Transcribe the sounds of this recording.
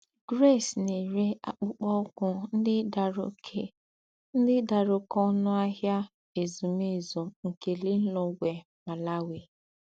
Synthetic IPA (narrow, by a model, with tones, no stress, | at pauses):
ɡ̥ɾe˦˨sne˨ɾe˦a̰˨k͡pʊ˦k͡pɔ˦kʷʊ˦n̩˦dɪ˦a˨ɾʊ˦ | n̩˦dɪ˦da˨ɾʊ˨kɔ˦nʊ˦a˦ɦja˦ | e˨zu˨m˦e˦˨zo˨ŋ̩˨ke˨lɪ˦n̩˦lo˨˦ɡʷe˨ | ma˨la˦we˨